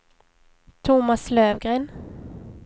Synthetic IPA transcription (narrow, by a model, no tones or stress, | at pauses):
t̪ʰʊmasløːvɡɾeːn